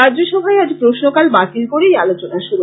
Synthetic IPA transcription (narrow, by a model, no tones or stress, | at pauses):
ad͡ʑoʃɔbʱaead͡ʑpɾoʃnokalbat̪ilkoɾejalot͡ɕonaʃuɾu